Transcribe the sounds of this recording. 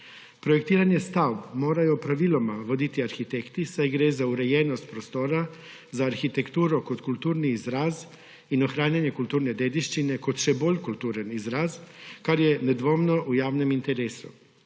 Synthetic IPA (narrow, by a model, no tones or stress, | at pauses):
pɾɔjɛkt̪iːɾanjɛst̪awbmoːɾajɔpɾaʋiːlɔmaʋod̪it̪iaɾxit̪ekt̪isajɡɾezauɾɛjɛːnɔst̪̚pɾɔst̪oːɾa | zaːɾxit̪ɛkt̪uːɾɔkot̪kult̪uːɾniːzɾaz | inɔxɾaːnjanjɛkult̪uːɾnɛd̪eːd̪iʃt͡ʃinɛkot̪ʃɛboːlʲkult̪uːɾənizɾazkaɾjɛnɛd̪ʋoːmnɔʔujaːwnɛmint̪ɛɾeːsṵ